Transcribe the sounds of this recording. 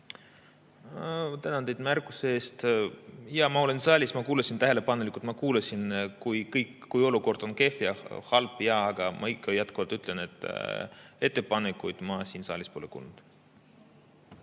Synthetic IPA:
t̪ænɑnd̪ejd̪̥mærkːˑuseeːst̪ | jɑmɑo̞le̞nsɑːlʲismɑkuːlɑsʲint̪æɦe̞le̞pɑnelikult̪mɑkuːlɑsʲinkujkɤjkkːujo̞luko̞rd̪̥o̞nke̞fjɑhɑlpːˑjɑːɡ̥ɑmɑ̰ikːɑjɑt̪kuvɑt̪yt̪ˑle̞ne̞t̪ːˑ | e̞t̪ˑːe̞pɑnekːˑujd̪̥mɑsiːnsɑ̰ːlʲispo̞lekṵːlnud̪̥

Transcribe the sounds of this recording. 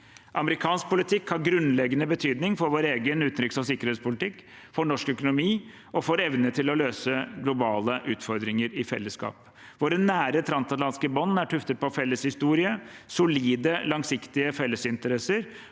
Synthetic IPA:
ʔɑməɾɪkʰɑːnsk̚pʰʊlɪt̪ʰɪkːhɑɾɡɾʉnlɛɡənəbət̪ʰyːd̪nɪŋfɔɾʋoːɾeːɡənʉːt̪nɾʏkːsɔsɪkːəɾheːt̪spʰʊlɪt̪ʰɪkː | fɔɳɔʂkœkʊnʊmiː | ɔfoːɾɛʋnət̪ʰɪlɔløːsəɡlʊbɑːləʔʉːt̪fɔɾd̪ɾɪŋəɾɪfɛ̰lːəskɑ̰ːp | ʋoːɾənːæːɾət̪ʰɾɑnsɑt̪lɑnskəbɔnːæʈʰʉft̪ət̪̚pʰɔfɛlːəshɪst̪uːɾɪəsʊliːd̪əlɑŋsɪkt̪ɪəfɛlːəsɪnt̪əɾɛsəɾ

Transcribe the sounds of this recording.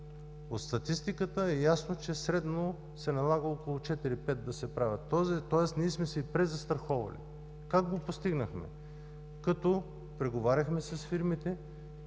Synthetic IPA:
ot̪st̪ɐt̪ist̪ikət̪əɛjasnot͡ʃɛsɾɛd̪no | sɛnɐlˠaɡəɔkolˠʊt͡ʃɛt̪iɾipɛt̪̚d̪ɐsɛpɾavʲɐt̪ːɔzt̪ɔɛst̪niːsmɛsɛpɾɛzɐst̪ɾɐxɔvɐ̰lḭ | kaɡ̚ɡopost̪iɡnəxmɛ̰ | kɐt̪ɔ | pɾɛɡovaɾʲɐxmɛsɐsfiɾmit̪ɛ

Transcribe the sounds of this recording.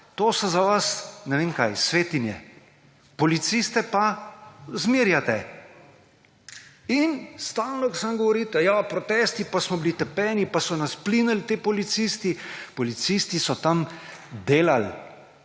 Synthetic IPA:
t̪osɔzaʋasnɛʋeːŋkajsʋeːt̪injɛ̰ | pɔlit̪sist̪ɛpa | zmiːɾjat̪ɛ | inst̪aːlnɔksamɡɔʋɔɾiːt̪ɛjapɾɔt̪ɛːst̪ipasmɔbilit̪ɛpɛːnipasɔnasplinəlt̪eːpɔlit̪sist̪ipɔlit̪sist̪isɔt̪amd̪eːlal

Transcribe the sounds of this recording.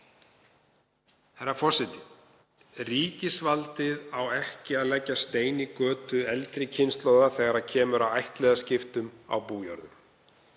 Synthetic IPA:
hɛɾafɔsɛt̪ɪ | riːcɪsvalt̪ɪðawɛhcɪaðlɛcːast̪eːjnikœːt̪ʏɛlt̪ɾɪcʰɪnst̪loːwðaθɛɣaɾacʰɛːmʏɾawajht̪lɛjðascɪft̪ʏma̰wpuːjɔ̰wɾðʏm

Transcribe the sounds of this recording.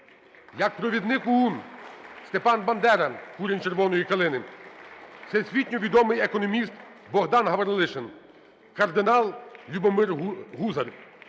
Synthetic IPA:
jɐk̚pɾɔʋʲid̪nɪkʊunst̪epɑnbɐnd̪ɛɾɐkuɾʲinʲt͡ʃeɾʋɔnɔjikɐlˠɪnɪ | t̪sɛsʲʋʲitʲnʲɔʋʲid̪ɔmɪjekɔnɔmʲist̪ | bɔɦd̪ɑnɦɐʋɐɾlˠɪʃen | kɐrd̪ɪnɑlˠlʲubɔmɪrɦuzɐɾʲ

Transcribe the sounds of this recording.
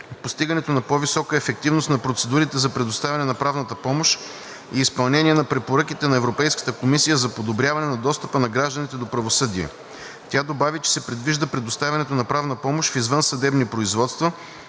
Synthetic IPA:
post̪iɡənɛt̪onɐpɔvisɔkəɛfɛk̚t̪ivnost̪nɐpɾot̪sɛd̪uɾit̪ɛzɐpɾɛd̪ost̪avʲɐnɛnɐpɾavnət̪əpɔmoʃ | iːspɐlˠnɛniɛnɐpɾɛpoɾɤkit̪ɛnɐɛvɾopɛjskə̥t̪əkomisijəzɐpod̪obɾʲjavɐnɛnɐd̪ɔst̪əpənɐɡɾaʒd̪ənʲit̪ɛd̪opɾɐvosɤd̪iɛ̰ | t̪ʲad̪obavit͡ʃɛ̥sɛpɾɛd̪viʒd̪əpɾɛd̪ost̪avʲɛɐnɛt̪onɐpɾavnəpɔmoʃfizvɤnsɐd̪ɛbnipɾoizvɔt̪st̪və

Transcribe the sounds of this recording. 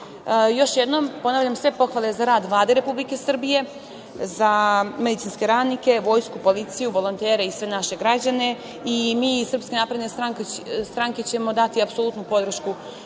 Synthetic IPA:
jo̞ʃjed̪no̞mpo̞naːʋʎamsʋe̞po̞xʋale̞zaɾaːd̪ʋlˠaːd̪e̞ɾe̞publike̞sr̩bije̞ | zame̞d̪it̪sinske̞ɾaːd̪nike̞ʋo̞ːjskupo̞lit̪sijuʋo̞lo̞nt̪e̞ːɾe̞isʋe̞naʃe̞ɡɾad͡ʑane̞ | imiːsr̩pskenaːpɾed̪nest̪ɾaŋkst̪ɾaŋket͡ɕe̞mo̞d̪at̪iapsolut̪nupo̞d̪r̩ʃku

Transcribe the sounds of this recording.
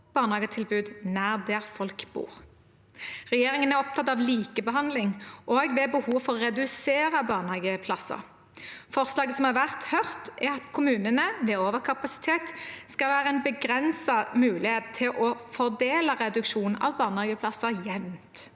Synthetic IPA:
b̥ɑːʁnɑːɡət̪ʰɪlbʉːd̪næːʁd̪ɛʁfɔlkbṵːʁ | ʁɛjeːʁɪŋənæʁɔp̚t̪ʰɑt̪ːɑʋliːkəbəɦɑnd̪lɪŋʔoːɡʋɛbəhuːʋfɔʁʁɛd̪ʉseːɾəbɑːʁnhɑːɡəpʰlɑsə̰ʁ | fɔʁslɑːɡəsɔmɑʁʋæʁt̪hœʁt̪ʔæʁɑt̪kʰʊmʉːnənəʋɛoːʋəʁkʰɑpɑsɪ̥t̪ʰeːt̪skɑlʋæːʁəɛnbəɡʁɛnsɑmʉːlɪheːt̪t̪ʰɪlʔɔfɔʁd̪eːləʁɛd̪ʉkʃuːnʔɑ̰ʋbɑːʁnhɑːɡəpʰlɑsəjɛʋnt̪

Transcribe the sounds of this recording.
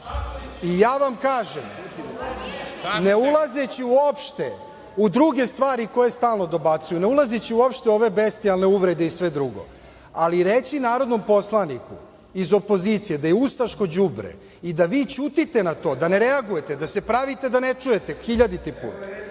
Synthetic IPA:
ijaːʋamkaːʒem | ne̞ulˠazet͡ɕiuopʃt̪e | ud̪ɾuɡe̞st̪ʋaːɾiko̞je̞st̪aːlˠno̞d̪o̞bat̪sujune̞ulˠazet͡ɕiuo̞pʃt̪eo̞ʋe̞best̪ialne̞uʋɾed̪eisʋe̞d̪ɾuɡo̞̰ | aliɾet͡ɕinaːɾod̪no̞mpo̞slˠanikṵ | izo̞po̞ziːt̪sije̞d̪ajeust̪aʃko̞d͡ʑubɾḛ | id̪aʋiːt͡ɕuːt̪it̪enat̪o̞ːd̪ane̞ɾeaɡuje̞t̪e̞d̪ase̞pɾaʋit̪e̞d̪anet͡ʂuje̞t̪exiʎad̪it̪ipṵːt̪a

